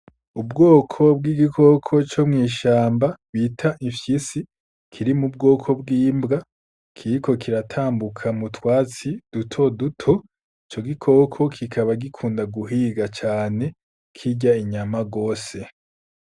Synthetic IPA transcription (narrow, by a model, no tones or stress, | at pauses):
ubɡo̞ːkʰo̞bɡiːɡikʰo̞kʰo̞t͡ʃo̞mŋiːʃaːmbaβitʰaʔifjisi | kʰiɾimub̚ɡo̞ːkʰo̞bɡiːmbɡa | kʰiɾiko̞kʰiɾatʰaːmbukʰamutwaːt͡sid̥utʰo̞dutʰo | it͡ʃo̞ɡikʰo̞kʰo̞kʰikʰaβaɡikʰuːndaɡuɦiːɡat͡ʃaːne̞ | kʰiɟaiɲamaɡo̞ːse̞